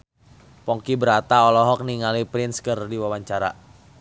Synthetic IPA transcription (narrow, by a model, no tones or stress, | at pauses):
pɔŋkibəɾat̪aɔlɔɦɔk̚niŋalipɾinskərdiwawaɲt͡ʃaɾa̰